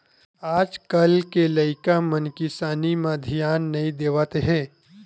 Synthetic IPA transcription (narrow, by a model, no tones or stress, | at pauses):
aːd͡ʒkɐlkelɐɪkamɐnkɪsaːnimãd̪ʱijaːnːɐĩd̪eːʋaːt̪eɦɛ̃ː